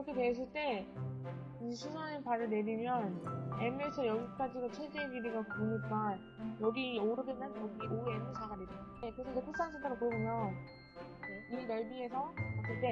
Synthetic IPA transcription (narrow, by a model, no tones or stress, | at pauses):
kɯɾʌkʰe̞twe̞s̬͈ɯɭt͈e̞ | id͡ʑesʰusʰanepaɾɯɭne̞ɾimjʌne̞mes͈ʰɯjʌɡik͈ad͡ʑiɾot͡ɕʰwedeɡiɾiɡapunɯk͈an | jʌɡioɾɯdɯmjʌnjʌɡiʔoemesʰaɡadeɾekɯɾe̞sʰʌd͡ʑepʰɯs͈aansʰɯt͈eɾokoɯmjʌn | jeinʌɭbie̞sʰʌmas͈ʰɯɭt͈e̞